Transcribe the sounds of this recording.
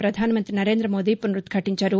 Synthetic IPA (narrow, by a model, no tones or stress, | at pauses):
pɾɐd̪ʱaːnɐmɐnt̪ɾinɐɾe̞ːnd̪ɾɐmoːd̪ipːɐnɾut̪ɡʰʱɐʈiɲt͡ʃɐɾu